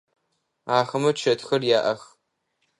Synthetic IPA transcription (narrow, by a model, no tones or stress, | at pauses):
aːxɐmɐt͡ʃʰɐtxɐrjaːʔɐx